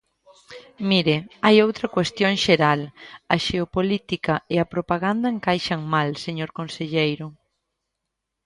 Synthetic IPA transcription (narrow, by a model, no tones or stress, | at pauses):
miɾɪajowt̪ɾɐkwest̪joŋʃeɾalɐʃeopolit̪ikɐeɐpɾopaɣand̪ɐeŋkajʃɐŋmalseɲoɾkonseʎejɾʊ